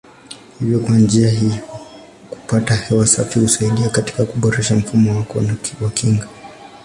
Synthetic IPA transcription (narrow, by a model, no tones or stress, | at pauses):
hivjɔkwand͡ʒiaɦiɔ | ku̥patahɛwasafihusaiɗiakati̥kakuɓɔɾɛʃam̩fumɔwakɔ̰nawakʰiŋɡa